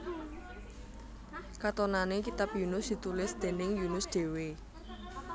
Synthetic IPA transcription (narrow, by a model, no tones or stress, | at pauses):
kat̪onanekit̪ap̚junʊsd̪̥i̤t̪ulɪsd̪̥e̤nɪŋjunʊsɖ̪̥e̤we